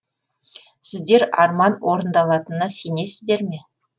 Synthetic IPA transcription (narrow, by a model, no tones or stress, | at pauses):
sɪzd̪e̞ɾɑ̰ɾmɑnwo̞ɾənd̪ɑlˠɑt̪ənɑse̞nesɪzd̪e̞ɾme̞